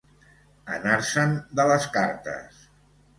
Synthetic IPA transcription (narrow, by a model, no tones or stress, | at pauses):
ə̰naɾsənd̪ələskaɾt̪ə̰s